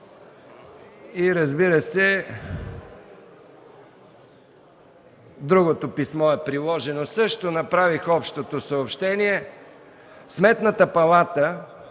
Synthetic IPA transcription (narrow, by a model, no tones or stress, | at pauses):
iɾɐzbiɾəsɛ | d̪ɾuɡot̪opismɔɛpɾilˠɔʒɛnosɤʃt̪onɐpɾavixɔpʃt̪ot̪osɐopʃt̪ɛniɛ | smɛt̪nət̪əpɐlˠat̪ə